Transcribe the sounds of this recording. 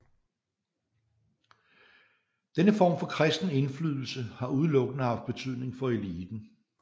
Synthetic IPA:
d̥enəfɒ̰ːmfɒ̽kʰʁɛsd̥n̩e̝nflyːð̞ˠl̩səhɑ̈ʔuð̞ˠlɔ̽ɡ̥ənəhɑ̈fd̥̚b̥e̝t͡sʰyð̰ˠne̝ŋfɒ̽eliːd̥n̩

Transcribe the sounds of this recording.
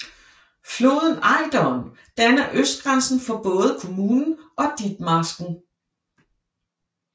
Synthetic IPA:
flo̝̰ːð̞ˠən̩ɑ̈ɪd̥ɒn | d̥ænɐʔøsd̥̚ɡ̥ʁansn̩fɒ̽b̥ɔ̽ːð̞̩ˠəkʰo̝muːnn̩ʔɒ̽d̥id̥mɑ̈sɡ̥n̩

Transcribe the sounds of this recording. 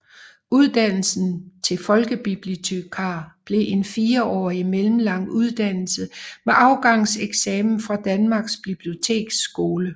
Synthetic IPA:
uðˠd̥æn̰l̩sn̩t͡sʰe̝fɒ̽lɡ̥əb̥ib̥liot͡sʰøkʰɑ̈ːb̥le̝ʔe̝nfiːɐɒ̰ːimelm̩lɑ̈ŋ̰uð̞ˠd̥æn̰l̩səmeʔɑ̈ʊɡ̥ɑ̈ŋ̰seɡ̥sɛːmn̩fʁɑ̈d̥ænmɑ̈ɡ̥sb̥ib̥lio̝t͡sʰe̝̰ːɡ̥sɡ̥o̝ːlə

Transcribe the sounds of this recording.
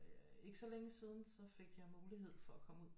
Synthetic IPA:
e̝ɡ̥əsɒ̽leŋəsiːð̞ˠn̩sɒ̽fe̝ɡ̥jɑ̈ɪmuːliɦe̝ð̞̰ˠfɒ̽ækʰɒ̽muð̰ˠ

